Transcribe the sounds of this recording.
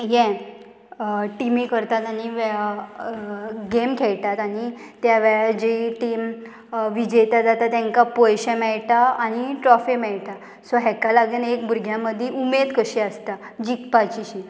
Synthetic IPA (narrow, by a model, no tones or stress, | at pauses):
jɛ̃ | ʈimikəɾt̪at̪añiʋ | ɡemkʰɛɭʈ̪at̪aɽ̃it̪jaʋɛɭad͡ʑiʈiːm | ʋid͡ʑəjt̪ad͡z̪at̪at̪ɛ̃ŋkapojɕɛ̃mɛɭʈaːɽ̃iʈɾɔfimɛɭʈa | sɔɦɛkalaɡənekbʱuɾɡʱjaməd̪ʱːjeumed̪kəɕiəst̪a | d͡ʑikpat͡ɕiɕi